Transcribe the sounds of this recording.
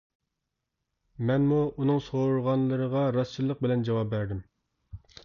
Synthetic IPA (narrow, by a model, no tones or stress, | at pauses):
mɛnmuunɨŋsoɾʁɑnlˠɨɾəʁɑɾɑst͡ʃʰilˠːəq̚bɪlɛnd͡ʒɑwɑp̚bæɾd̪ɪm